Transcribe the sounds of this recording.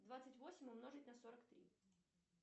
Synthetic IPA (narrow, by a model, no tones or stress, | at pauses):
d̪vat̪sɨtʲvo̞sʲɪmʲʊmno̞ʐɨtʲnɐso̞ɾəkt̪ɾʲḭ